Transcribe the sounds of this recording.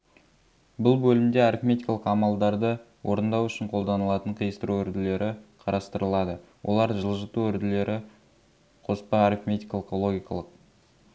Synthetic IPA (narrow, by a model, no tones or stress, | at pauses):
bʊlˠbɵlɪmd̪e̞aɾifmʲet̪ʲijkɑlˠəqɑmɑlˠd̪ɑɾd̪ə | wʔo̞ɾənd̪ɑwʏʃɪɴqʰo̞lˠd̪ɑnəlˠɑt̪əɴqʰəjəst̪əɾuɵɾd̪ɪle̞ɾʔɪqʰɑɾɑst̪əɾəlˠɑd̪ə | wʔolˠɑɾʒəlˠʒət̪uɵɾd̪ɪle̞ɾʔɪ | qʰo̞spɑaɾifmʲet̪ijkɑlˠəqolˠo̞ɡʲijkɑlˠəq̚